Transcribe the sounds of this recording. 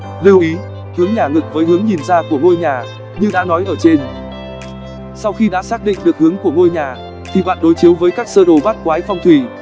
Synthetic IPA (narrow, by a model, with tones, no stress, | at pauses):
li˧əwʔi˨˦ | hɨ˨˦əŋɲaː˨˩ŋɨ˨˩k̚vəː˨˦jhɨ˨˦əŋɲi˨˩nzaː˧ku˧˩əŋo˧jɲaː˨˩ | ɲɨ˧ɗa̰˧˥nɔ˨˦jʔəː˧˩t͡ɕe˧n | sa˧wxi˧ɗa̰ː˧˥saː˦˥k̚ɗḭ˧˨ŋ̟ɗɨ˨˩ək̚hɨ˨˦əŋku˧˩əŋo˧jɲaː˨˩ | t̪ʰi˨˩ɓa̰ː˧˨nɗo˨˦jt͡ɕi˨˦əwvəː˨˦jkaː˦˥k̚səː˧ɗo˨˩ɓaː˦˥t̚kwaː˨˦jfa˧wŋ͡mt̪ʰwi˧˩